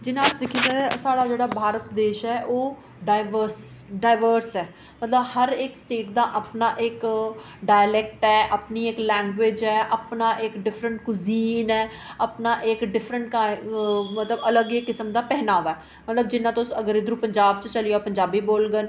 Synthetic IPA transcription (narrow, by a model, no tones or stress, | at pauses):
d͡ʒɪnãːʊsd̪ɪkʰiːd͡ʒaːɾsaːɽaːd͡ʒeːɽaːbʱaːɾət̪d̪eːʃɛːʔoː | ɖaɪʋəɾsɖaːɪʋəɾsɛː | mət̪ləbhəɾɪksʈeːʈd̪aːʔəpnaːʔɪk | ɖaːjlɛk̚ʈɛːʔəpniːɪklɛ̃ːŋɡʋweːd͡ʒɛːʔəpnaːʔɪkɖɪfʰɾəɳʈkʊziːnɛː | əpnaːʔɪkɖɪfʰɾəɳʈkamət̪ləbələɡɪkːɪsəmd̪aːpɛɦnaːoʋaː | mət̪ləbd͡ʒɪnːãːt̪õsəɡəɾɪd̪ɾũːpəɲd͡ʒaːbt͡ʃt͡ʃəlijoːpəɲd͡ʒaːbiːboːlɡən